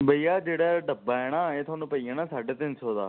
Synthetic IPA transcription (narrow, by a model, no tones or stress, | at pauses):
bəijaːd͡ʒeːɽaːɖəbːaːɛːɽ̃ãːeːt̪ʰʊaːnũːpəiːəːnãːsaːɖeːt̪ɪ̃nsʰoːd̪a̰ː